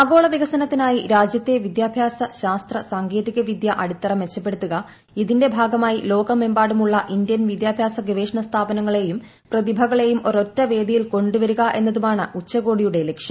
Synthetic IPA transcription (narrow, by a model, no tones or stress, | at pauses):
ɐɡo̞ːɭɐʋiɣɐsɐnɐt̪ːinaːjiɾaːd͡ʑjɐt̪ːe̞ʋid̪jaːbʱjaːsɐɕaːst̪rɐsaːŋɡe̞ːðiɣɐʋid̪jɐʔɐɽut̪ːɐrɐmʋet͡ɕːɐpːe̞ɽut̪ːuɣɐ | iðinde̞bʱaːɡɐmaːjilo̞ːɡɐmembaːɽumuɭːɐʔindjɐnʋid̪jaːbʱjaːsɐɡɐʋeːʂɳɐst̪ʰaːbɐnɐŋːɐɭe̞jum | prɐðibʱɐɣɐɭe̞jumo̞ɾo̞tːɐʋe̞ːd̪ijilko̞ɳɖuʋɐɾuɣɐʔe̞̰nːɐðumaːɳɨut͡ɕːɐɣo̞ːɽijuɽe̞lekʂɐm